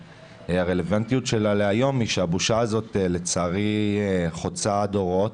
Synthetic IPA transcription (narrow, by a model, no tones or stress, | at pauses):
aʁele̞vantijutʃe̞laleajo̞miʃeabuʃazo̞tele̞t͡saːʁiχo̞t͡sad̪o̞ʁo̞t